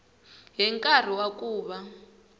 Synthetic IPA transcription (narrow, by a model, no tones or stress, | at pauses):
ɦɛŋkʼar̤iwakʼuːβa